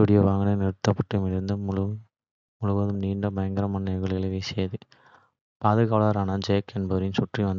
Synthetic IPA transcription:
uɽɪjɐʋaːŋɡɐnenɛɾɯt̪ːɐpːɐʈːɯmɪɾɯnd̪ɯmʊ | mʊɻʊʋɐðɯmniːɳɖɐbɐjɐŋɡɐɾɐmɐnːɐɣɐɭɪlɐʋeːsɛːɐðɯ | paːðɯɣaːɭaɾaːnɐd͡ʒeːkɛnbɐɾɪnsʊʈriʋɐnd̪

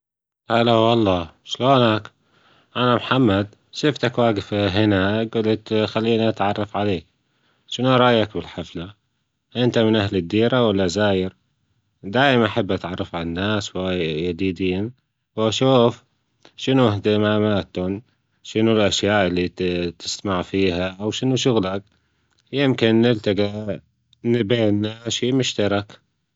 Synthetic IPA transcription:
ʔalawɑlˤːɑːʃloːnak | ʔanamħamːad̪ | ʃɪft̪akwaːɡɪfɦɪnaɡulɪxalːiːniʔat̪ʕɑrˤːɑfʕaleːk̚ | ʃɪnuʔɑɾˤɑʔjːakbɪlħafla | ʔɪnt̪amɪnʔaɦlɪd̪ːiːɾawalːazaːjɪɾ | d̪aːjɪmanʔaħabːʔat̪ʕɑrˤːɑfʕalanːaːswajjad̪iːd̪iːn | waʃuːf | ʃɪnuht̪ɪmaːmaːt̪ʊn | ʃɪnulʔaʃjaːʔɪlːit̪ɪ̥st̪amaʕfiːhaʔawʃɪnuʃʊɣlak | jɪmkɪnːɪlt̪aɡa | nbeːnːaʃiːmʊʃt̪ɑɾˤɑk

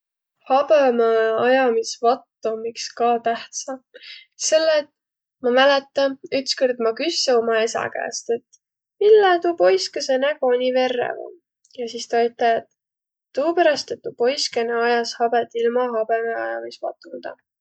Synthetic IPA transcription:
hɑbemeɑjɑmisvɑt̪ːomikskɑːt̪æht̪sɑse̞lːet̪ | mɑmælet̪ːˑɑyt̪skord̪mɑkyseomɑe̞sɑ̰kæ̰ːst̪e̞t̪ | milːɑt̪upo̞jskesenækonʲive̞rːḛvɑ̰ | jɑsiːst̪ɑɑjt̪ːˑɑet̪ː | uːpæɾɑst̪et̪ːupo̞jskeneɑjɑshɑb̥et̪ːilmɑɦɑb̥emeɑ̰jɑ̰misvɑ̰t̪ːˑund̪̥ɑ̰

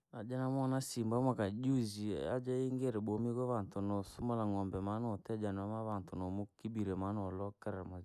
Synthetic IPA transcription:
ad͡ʒanamɔnasimbamakad͡ʒuzia̰d͡ʒaiŋɡeɾeɓomiɡɔβantonɔsumalaŋɔmbɛmanɔtɛd͡ʒanamaβantonɔmokibiɾɛmanɔlɔkaɾɛma

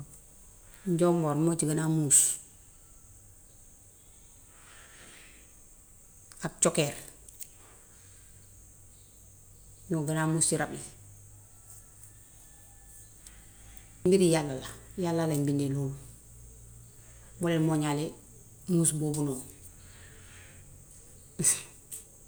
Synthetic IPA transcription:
ɲɟoːmboɾmot͡ʃiɡanamuːs | at͡ʃokeɾ | ɲoɡanamuːsiɾabli | mbiɾijalːalajalːalambindelum | bɔlɛmoɲale | nusboːbunɔː

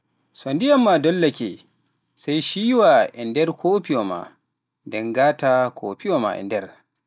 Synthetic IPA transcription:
sondijɐmːadɔlːakʲɛ | sajʃiːwaʔɛndɛɾkʰopioma̰ | dɛŋɡaːtakʰo̰ːpijɔma̰ʔɛ̰ndɛr

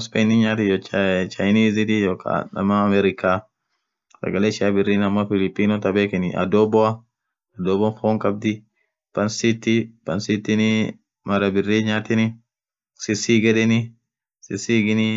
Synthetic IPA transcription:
spɛjniɲaːt̪ɪjɔt͡ʃɐjniːzɪt̪ɪjɔka̰nɐ̰mːaɐmɛɾɪka | sɐ̰ɡɐleʃɪabɪrːiːnɐmːɔfɪlɪpʼːiːnɔt̪ɐbeːkɪnɪʔɐ̰d̪ɔbɔɐ | ɐd̪ɔːbɔnfɔːŋkʼɐb̚d̪ɪ | pɐnsit̪ːɪpɐnsɪt̪ːɪnɪ | mɐɾɐbɪrːiːɲaːt̪ɪnɪ | sɪsiɡɛᶑɛnɪ | sɪsiɡɪnɪ

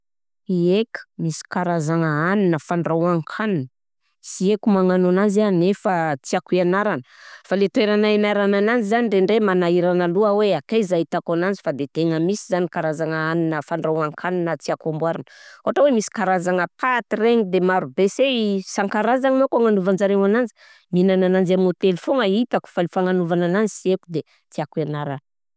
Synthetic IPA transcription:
iekə̥misi̥kaɾazaŋəaninəfaɳɖ͡ʐawaŋkʰaninə | siekumaŋanonanzanefət͡siakuianaɾanəfalet̪weɾanaimaɾanananizanireɳɖ͡ʐemanaiɾanaluəweakaizait̪akanand͡zifad̪et̪eŋəmisizanikaɾazaŋəaninəfaɳɖ͡ʐawaŋkʰaninət͡siakambwaɾanə̥oaʈ͡ʂawemisi̥kaɾazaŋəpʰat̪ireŋid̪emaɾubesesaŋkaɾazaŋinakaŋanuvand͡ʒaɾewanand͡ʒi̥ | minananand͡ʒamot̪elfoŋəit̪aku̥falifaŋanuvananand͡zi̥siekud̪e | t͡siakianaɾanə

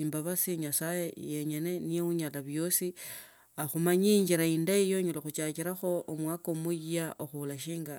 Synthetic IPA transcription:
imbaβasiɲasaje̞je̞ɲe̞ne̞nijeuɲalaβjo̞si | axumaɲiɲd͡ʒiɾaiːndaijo̞ɲolexut͡ʃakiɾaxo̞ːmwaːkomujijaʔoxulaʃiːŋɡa

